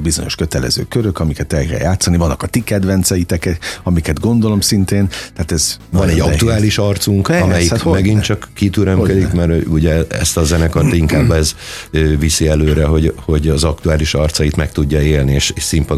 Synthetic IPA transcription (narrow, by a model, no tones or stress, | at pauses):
bizo̞ɲo̞̰ʃkø̞t̪ɛlɛ̰zø̰ːkøɾøkɒmikɛt̪ɛlkɛ̰ljaːt̪sːɒnivɒnːɒkɒt̪ikɛd̪ʋɛnt̪sɛjit̪ɛkɛɒmikɛd̪ɡo̞nd̪o̞lo̞msint̪eːnt̪ɛːt̪ɛzvɒnɛɟːɒt̪uaːliʃɒrt̪suŋkɒmɛjimɛɡint͡ʃɒkːit̪yɾømkød̪ikkmɛɾuɟɛɛ̰st̪ɒzɛnɛkɒrt̪iŋkaːbːɛzøvisiɛløːɾɛɦo̞ɟho̞ɟɒzɒk̚t̪uaːliʃɒrt̪sɒjit̪mɛkt̪uɟːɒeːlnieːʃeʃsimpɒ